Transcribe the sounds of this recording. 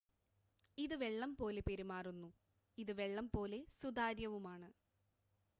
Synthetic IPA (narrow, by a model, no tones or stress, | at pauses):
iðɨʋe̞ɭːɐmpo̞ːlepeɾimaːrunːu | iðɨʋe̞ɭːɐmpo̞ːle̞sud̪aːɾjɐʋumaːɳɨ